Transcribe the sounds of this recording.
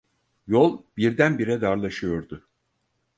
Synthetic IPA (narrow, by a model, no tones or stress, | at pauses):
jolˠbiɾd̪ænbiɾɛd̪aɾlˠaʃɯjo̞ɾd̪ʊ